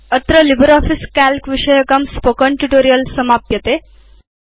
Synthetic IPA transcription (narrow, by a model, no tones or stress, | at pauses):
ət̪ɾəlibəɾɔfiskælkʋiɕəjəkamspokəɳʈuʈoɾijəlsəmapjət̪e